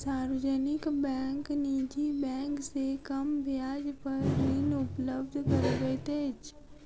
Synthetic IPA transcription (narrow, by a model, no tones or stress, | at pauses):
saːɾəd͡ʒənɪkbɛ̃ːŋkniːd͡ʒibɛ̃ːŋksekəmbʱjaːd͡ʒpəɾnɪnʊpləb̚d̪ʱkəɾbet̪eːt͡ʃ